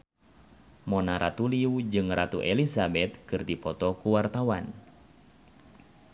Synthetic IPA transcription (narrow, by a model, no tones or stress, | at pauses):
mɔnaɾat̪uliud͡ʒɨŋrat̪ṵʔelisabɛt̪̚kɨrdipɔt̪ɔkuwart̪awan